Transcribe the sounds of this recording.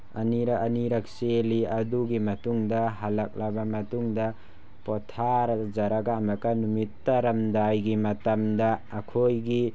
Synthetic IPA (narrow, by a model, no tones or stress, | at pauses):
ɐniɾɐɐniɾɐk̚seliɐduɡimɐtuŋdɐɦalɐk̚labɐmɐtuŋdɐ | pɔtʰaɾd͡ʒaɾaɡaːmɐkɐnumitːɐɾɐmdajɡimɐtɐmdɐːkʰojɡi